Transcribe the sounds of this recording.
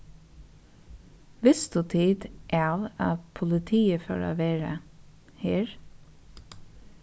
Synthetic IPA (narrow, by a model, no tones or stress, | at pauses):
ʋɪsd̪ʉt̪ʰiːd̪ʔɑːʋɑ̰ːʋpʰʊlɪt̪ʰiːəfœ̰ːɹa̰ːʋeːɹə̰ | heːɹ